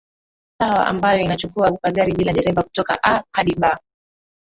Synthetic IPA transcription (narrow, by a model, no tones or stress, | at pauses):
sawa̰ʔa̰mbajɔinat͡ʃukuaukaɠaɾiɓilaɗɛɾɛvaku̥tɔka̰ʔahaɗiɓa